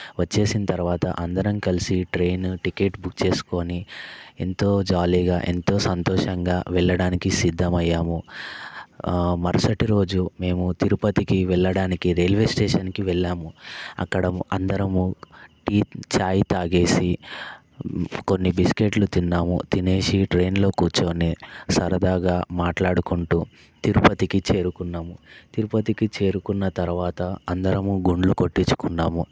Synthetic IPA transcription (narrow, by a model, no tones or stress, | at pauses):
ʋɐt͡ʃːe̞ːsinɐt̪ɐɾuʋaːt̪ɐ̰ʔɐnd̪ɐɾɐmkɐlisiʈɾe̞ːnʈike̞ːʈbukt͡ʃe̞ːsu̥ko̞ːnie̞̰nt̪o̞ːd͡ʒaːliːɡaːʔe̞̰nt̪o̞ːsɐnt̪ɔːʂɐŋɡaːʋɛɭːɐɽaːnikisid̪ʱːɐmɐjːaːmu | mɐɾɐsɐʈiɾo̞ːd͡ʒume̞ːmut̪iɾupɐt̪ikiʋɛɭːɐɽaːnikiɾelʋe̞ːsʈeːʂɐnkiʋɛɭːaːmuɐ̰kːɐɽɐɐnd̪ɐɾɐmuʈiːt͡ʃaːjit̪aːɡe̞ːsi | ko̞nːibiske̞ʈlut̪inːaːmṵt̪ine̞ːʃiʈɾe̞ːnlo̞ːkuːt͡ʃoːnesɐɾɐd̪aːɡaːmaːʈlaːɽukuɳʈuː | t̪iɾupɐt̪ikit͡ʃe̞ːɾukunːaːmut̪iɾupɐt̪ikit͡ʃe̞ːɾukunːɐt̪ɐɾuʋaːt̪ɐɐnd̪ɐɾɐmuɡuɳɖluko̞ʈːit͡ʃːu̥kunːaːmu